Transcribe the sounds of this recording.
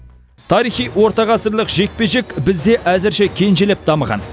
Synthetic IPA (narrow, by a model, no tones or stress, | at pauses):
t̪ʰɑɾijχijwo̞ɾt̪ɑʁɑsəɾlˠəqʒe̞k̚pe̞ʒe̞kʲbɪzd̪e̞ʔæzɪɾʃe̞kʲʰe̞nʒelep̚d̪ɑməʁɑ̰n